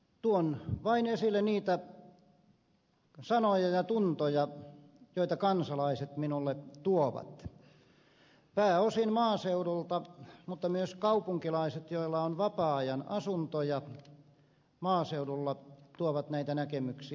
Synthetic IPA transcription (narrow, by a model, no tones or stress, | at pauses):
t̪uonʋɑinesilːˑeniːt̪æ | sɑnojɑjɑt̪unt̪ojɑ | joit̪ɑkɑnsɑlɑiset̪minulːet̪uoʋɑ̰t̪ | pæːosinmɑːseudult̪ɑmut̪ːɑmyøskɑupuŋkilɑiset̪joilːɑonʋɑpɑɑjɑnɑsunt̪ojɑ | mɑːseuɾulːɑt̪uoʋɑt̪næit̪ænækemyksi